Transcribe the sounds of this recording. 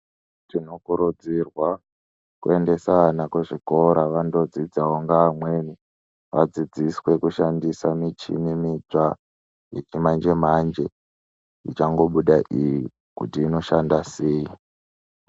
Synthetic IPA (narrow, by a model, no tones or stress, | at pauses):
tino̞kuɾud͡zirwa | kue̞nde̞saanakweʐiko̞ɾaʋando̞d͡zid͡zaɦoŋɡaːmwe̞ni | ʋad͡zid͡ziswe̞kuʃandisamit͡ʃḭnemit͡ʂa | jet͡ʃimand͡ʒe̞mand͡ʒe̞ | ḭt͡ʃaŋɡo̞ɓuɗaʔiji | kṵtiːno̞ʃandase̞ːi